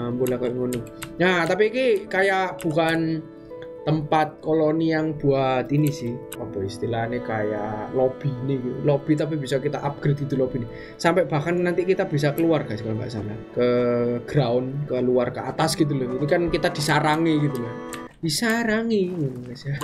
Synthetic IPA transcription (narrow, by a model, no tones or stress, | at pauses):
mbolahkajŋonɪnat̪apikekajaʔb̥ukanː | əmpat̪̚koloniaŋb̥uat̪inisɪh | ɔb̥ɔist̪ilanekajalob̥iniɡit̪ulob̥i̤t̪ap̬ib̥isakit̪aʔab̚ɡ̥ɾɪt̪̚ɡ̥it̪ulob̥i̤ni | sampɛʔb̥akanːant̪ikit̪ab̥is̬akəluarɡ̥askanmba̰ʔsa̰lakəɡ̥ɾaʊnkəluarkəa̰t̪asɡ̥it̪̬ulɔɡinikankit̪ad̪̥isaɾaŋeɡit̪ulah | d̪̥isaɾaŋikasa